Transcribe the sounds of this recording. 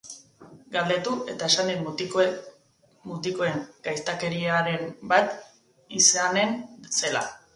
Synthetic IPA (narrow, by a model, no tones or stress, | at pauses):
ɡald̪e̞t̪uʔe̞t̪ae̞sand̪i | mut̪iko̞e̞ŋɡ̥ajst̪ake̞ɾiaɾe̞mbat̪ | isane̞nse̞la̰